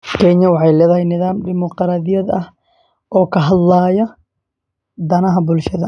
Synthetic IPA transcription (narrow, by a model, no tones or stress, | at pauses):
kʰɛɲɐwɑħɑjlɛːðɐɦɛjnɪðaːmd̪ɪmɔqɾaːðɪjɐd̪ɐh | ʔɔːkʰɐɦɐd̪laːjɐ | d̪ɐnɐɦɐbʊlʃɐðɐ